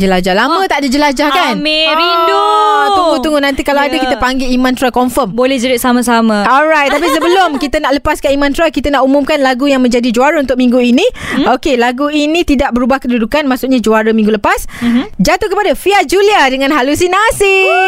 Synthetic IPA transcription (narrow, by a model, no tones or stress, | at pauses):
d͡ʒəlad͡ʒahlamə̃t̪aʔdəd͡ʒəlad͡ʒahkanmeindut̪uŋɡut̪uŋɡunãnt̪ikalaadəkit̪əpaŋɡeimãnt̪ɾakɔɱfəmbolɛhd͡ʒəɾiʔsamasamãɔlɾajt̪̚ːap̬isəbəlʊmkit̪ənaʔləpaskaimãnt̪ɾakit̪ənaʔumumkanlaɡujaŋmə̃ɲd͡ʒadid͡ʒuaɾəunt̪ʊk̚mĩŋɡuinĩokelaɡuinĩt̪idaʔ̚bəɾubahkədudukanmasʊʔɲad͡ʒuaɾəmĩŋɡuləpasd͡ʒat̪uhkəpadafiad͡ʒuliadəŋãnɦalusinasi